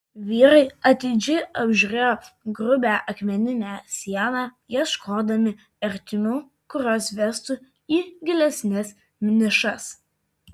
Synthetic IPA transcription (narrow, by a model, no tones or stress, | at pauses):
ʋʲiːɾɐɪɐt̪ʲɪd͡ʒʲɪɪɐbʲʒʲʊɾʲeːjoːɡɾʊbʲæːʔɐkʲmʲɛnʲɪnʲæːsʲiɛnɑːjiɛʃkʰoːd̪ɐmʲɪ | ɛɾʲt̪ʲɪmʲuː | kʊɾʲoːsʋʲɛst̪ʊ | iːɡʲɪlʲɛsʲnʲɛs | mʲnʲɪʃɐs